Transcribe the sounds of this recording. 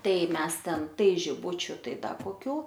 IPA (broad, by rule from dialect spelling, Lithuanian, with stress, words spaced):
ˈtɐɪ ˈmʲɛs ˈtʲɛn ˈtɐɪ ʒʲɪˈbʊt͡ʃʲʊ ˈtɐɪ ˈdɐ koːˈkʲuː